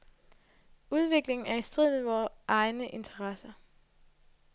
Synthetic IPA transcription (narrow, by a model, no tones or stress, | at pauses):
uð̞ˠʋe̝ɡ̥le̝ŋn̩æɐisd̥ʁiðˠʋeʋɒːʔɑ̈ɪnəʔe̝nt͡sʰɐʁɑsɐ